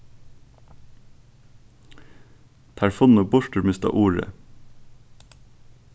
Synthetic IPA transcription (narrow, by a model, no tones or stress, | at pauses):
t̪ʰæɹfʊnʊːbʊʃʈəɹmɪst̪ɑ̰ʔuːɹə̰